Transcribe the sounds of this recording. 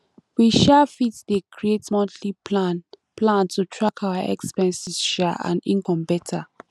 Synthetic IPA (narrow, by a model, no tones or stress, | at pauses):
wiʃafitdekʰɹietmɔ̃ntʰlian | plãntʰutʰɹakʰawaʔɛ̰kspɛ̃nsiz̥ʃaʔã̰nḭ̃ŋkɔ̃mbɛtʰa